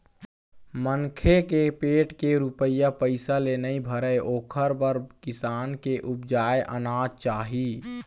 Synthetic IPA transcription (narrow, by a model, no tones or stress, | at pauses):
məŋkʰekepeːʈkeɾupəjapəɪsalenəibʱəɾəʔoːkʰəɾbəɾkɪsaːnkeʔupd͡ʒaːeʔənaːd͡ʒt͡ʃaːɦi